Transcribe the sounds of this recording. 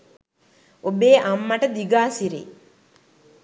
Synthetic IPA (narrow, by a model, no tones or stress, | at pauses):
obeːʔamːaʈəd̪iɡaːsiɾḛː